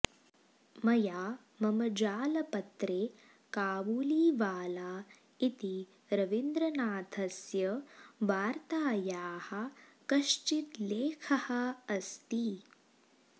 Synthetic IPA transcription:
mɐjaː | mɐmɐd͡ʒaːlɐpɐt̪ɾeː | kaːʋuːliːʋaːlaː | it̪i | ɾɐʋind̪ɾɐnaːt̪ʰɐsjɐʋaːɾt̪aːjaːhɐ̆kɐʃt͡ʃit̪leːkʰɐhɐ̆ɐst̪i

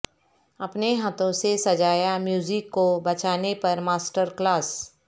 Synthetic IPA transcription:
ɐpneɦaːt̪õsesɐd͡ʒaːjamjuːzɪkːobɐt͡ʃaːnepɐɾmaːsʈəɾklaːs

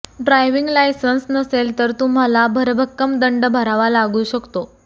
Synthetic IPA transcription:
ɖɾajʋiŋɡlajsənsnəselt̪əɾt̪um̤alabʱəɾbʱəkːəmd̪əɳɖəbʱəɾaʋalaɡuːɕəkt̪o

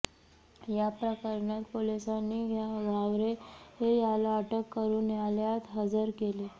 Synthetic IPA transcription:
japɾəkəɾɳjat̪polisanːiːɦjaɡʱaʋɾehejalaəʈəkːəɾuːnjaljat̪ɦəd͡zəɾkele

